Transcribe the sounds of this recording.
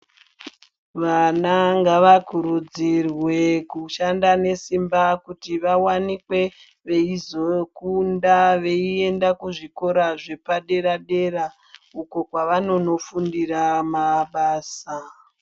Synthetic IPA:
ʋanaŋɡaʋakuɾud͡zirwe̞kuʃandane̞simbakutiʋawanikwe̞ | ʋe̞izokundaʋe̞ie̞ndakuʐiko̞ɾaʐe̞paɗe̞ɾaɗe̞ɾa | uko̞kwaʋano̞no̞fundiramaɓaːsa

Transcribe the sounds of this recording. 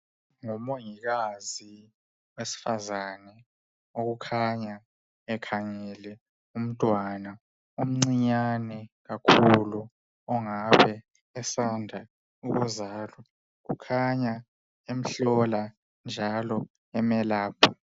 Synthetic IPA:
ŋɔmoŋik̬azi | wesi̥fazanɛ | okukʰaɲa | ɛkʰaŋɛlɛ | um̩tʼwana | um̩ŋ͡ǀiɲanɛɣ̬akʰulu | ɔŋaɓɛ | ɛsandʱa | uɣɔzaːlɔ | kṵkʰaɲa | em̩ɬɔla | nd͡ʒʱalɔ | ɛmɛlaːpʰɔ̥

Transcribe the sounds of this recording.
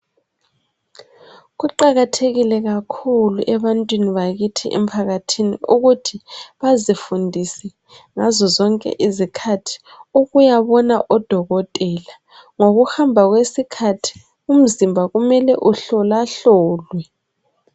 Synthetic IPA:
ɣuǃaɣatʰeɣilɛɣakʰuluʔɛβantʼwiniβaɣitʰiʔɛ̰m̩pʰaɣatʰinḭuɣutʰiβazifundʱisɛ | ŋazɔzɔŋkʼɛ̰ʔizikʰatʰi̥ | uɣujaβɔnaʔɔd̥ʱɔɣɔtʼɛla | ŋoɣuhambʱaɣwesikʰatʰi̥ | um̩zimbʱaɣumɛlɛʔuɬɔlaɬɔːlwɛ

